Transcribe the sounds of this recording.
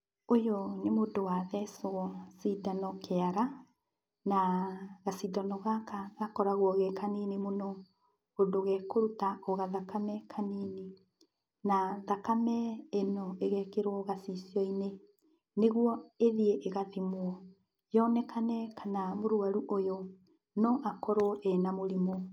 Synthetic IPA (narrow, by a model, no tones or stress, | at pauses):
ojɔnemodowaðɛsoɔsidanɔkeaɾa | naɣasidanɔɣakaɣakɔɾaɣwɔɣɛkʰaninemonɔ | odoɣɛkoɾutaɔɣaðakʰamɛkʰanine | naðakamɛenɔeɣɛkeɾwɔɣasisiɔine | neɣwɔeðieʔeɣaðimwɔ | jɔnɛkʰanɛkʰanamoɾwaɾuʔojɔ | nɔʔakɔɾwɔʔɛnamoɾimo